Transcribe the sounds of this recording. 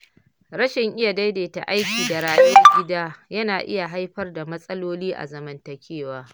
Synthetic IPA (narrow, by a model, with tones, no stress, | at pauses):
ɾɐ˦ʃɪ˨ŋʔɪ˦ja˨da˦jdeː˨ta̰˨ʔa˦jkʲiː˨da˨ɾaː˦ʔe˦ɡʲɪ˦daː˦jɐ˦naː˨ʔɪ̰˦ja˨ɦa˦jɸɐ˦rda˨mɐ˦sʼɐ˦loː˦liː˦ʔa̰˨zɐ˨mɐ˦ntɐ˨kʲeː˦waː˦